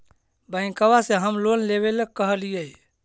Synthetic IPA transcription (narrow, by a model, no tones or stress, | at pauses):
bəɪ̃kəbaseɦəmlonleβelək̚kːəɦəlijəi